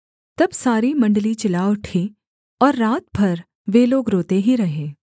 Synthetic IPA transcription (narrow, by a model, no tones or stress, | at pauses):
t̪ɐbsaːɾimɐ̃ɳɖlit͡ʃɪlaːʋʊʈʰe | ɔːɾːaːt̪̚bʱɐɾ | ʋeːloːɡɾoːt̪eɦiɾɐɦẽː